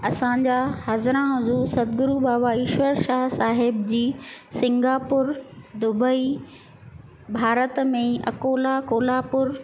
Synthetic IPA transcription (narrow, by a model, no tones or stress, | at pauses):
ɐsã̆d͡ʑahɐzɾãʊzuːsɐd̪̚ɡʊɾubaːʋaɪʃʋəɾʃaːɦsaːɦɪbd͡ʑiːsɪ̃ŋɡaːpʊɾd̪ʊbəi | bʱaːɾət̪mẽɐ̰koːlakoːlaːpʊɾ